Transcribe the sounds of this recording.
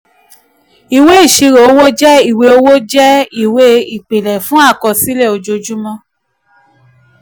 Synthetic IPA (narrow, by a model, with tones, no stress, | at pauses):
i˨we˦i˦˨ʃi˧ɾo˨o˦wo˦d͡ʒɛ˦i˦˨we˧˦o˦wo˦d͡ʒɛ˦i˦˨we˦i˨k͡pe˨lɛ˨fũ˦a˦˨kɔ˧˨si˨˦lɛ˦˨o˧d͡ʒo˧d͡ʒu˦mɔ̃˧